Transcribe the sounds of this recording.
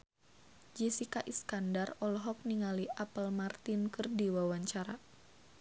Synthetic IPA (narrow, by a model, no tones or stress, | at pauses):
d͡ʒɛsikaʔiskandarɔlɔɦɔk̚niŋaliʔapəlmart̪inkərdiwawaɲt͡ʃaɾa